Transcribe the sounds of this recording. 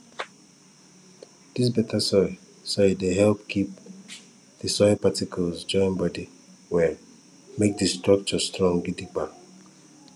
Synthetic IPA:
d̥is̬bɛtʰasɔ | sɔjdeɦɛlpkʰip̚ | dəsɔɪpatikʰɔlzd͡ʒɔ̃ɪ̃nbɔdi | wɛ | mek̚dəstɹak̚t͡ʃɔstɹɔ̃ŋɡidiba

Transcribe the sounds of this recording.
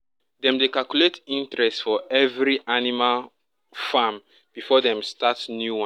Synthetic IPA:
dɛ̃mdekalkuletĩntɹɛstfɔʔɛvɹiʔanimal | fam | b̥ifɔðɛ̃mstatnjuwã

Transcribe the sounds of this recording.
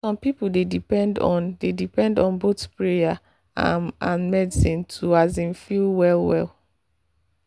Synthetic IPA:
sɔ̃mpipoldedipɛ̃ndɔ̰̃ndedipɛ̃ndɔ̃nbotpɹeja | ãnmɛdisĩntʰuazĩnfilwɛlˠwɛ̰lˠ

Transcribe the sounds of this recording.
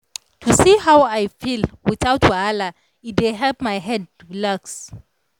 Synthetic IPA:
tʰusihawajfilwiθawtʰwala | it̚deɦɛlpmajɦɛd̚ | laks

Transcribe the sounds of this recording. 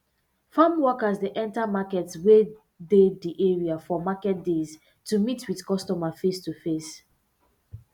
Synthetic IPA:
fãmwɔkəzdəʔɛ̃ntamakɛtswe | dediʔɛɹiafɔmakɛt̚dez | tumitʰwiðkɔstɔmafestufes

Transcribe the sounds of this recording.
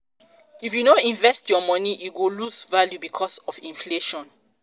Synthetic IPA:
ifjunoĩɱvɛstjɔmɔniʔiɡolusvaljubikʰɔsɔfĩnfleʃɔ̃n

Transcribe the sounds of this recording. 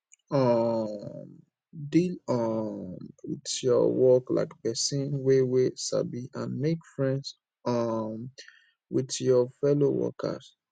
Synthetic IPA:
ɔ | m | dilɔmwḭdjɔ̰wɔkla̰ɪkpɛsĩnweweʃa̰biʔãnmekfɹɛ̃nds | ɔm | witjɔfɛlowɔ̰kʰə̰s

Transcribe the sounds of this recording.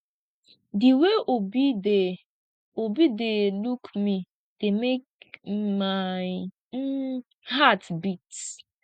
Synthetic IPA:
diweʔobide | obidelukmi | d̥emek̚maɪ | n̩ | hatbit

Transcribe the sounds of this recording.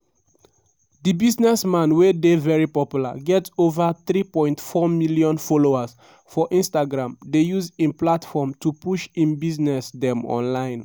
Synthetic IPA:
dibiznɛsmãnwedevɛɹipɔpjula̰ɡɛtovaθɹipɔ̃ɪ̃ntfɔmiliɔ̃nfoloas | fɔʔĩnstaɡɹãmdejuzĩnplatfɔmtupuʃĩnbiznɛsdɛ̃mɔ̰̃nlãɪ̃n

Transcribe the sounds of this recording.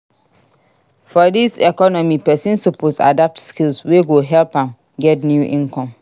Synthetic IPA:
fɔdisɛkɔnɔmipɛsĩnsupʰosa̰dap̚tskilsweɡoɦɛlpãn | ɡɛtnjuʔĩnkʰɔ̃m

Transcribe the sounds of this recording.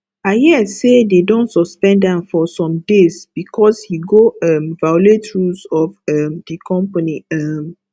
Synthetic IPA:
ajɛsededõntsɔspɛ̃ndɛ̃mfɔsɔ̃mdesb̥ikʰɔshiɡoɛ̃mvajɔletɹusɔfɛmdikʰɔ̃mpaniɛm

